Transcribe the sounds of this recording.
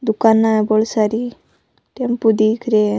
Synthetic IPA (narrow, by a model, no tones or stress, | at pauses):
d̪ukanːajbɔɭsaɾi | t̪empud̪ikɾe